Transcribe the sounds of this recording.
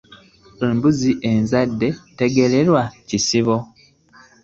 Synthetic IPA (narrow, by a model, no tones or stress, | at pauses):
eːmbuziʔe̞nzadːe̞te̞ɡe̞le̞ɾwacisiβo